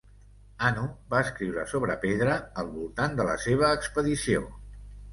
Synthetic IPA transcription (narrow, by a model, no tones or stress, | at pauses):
anubaəskɾiwɾəsoβɾəpeðɾəːlˠβulˠt̪and̪ələ̰seβ̞əːkspəðisio̰